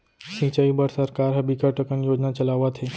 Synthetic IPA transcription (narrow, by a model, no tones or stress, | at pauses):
sĩt͡ɕaibəɽsəɾkaɾɦəbikəɾʈəkənjod͡ʑnat͡ɕəlaʋat̪ʰɦe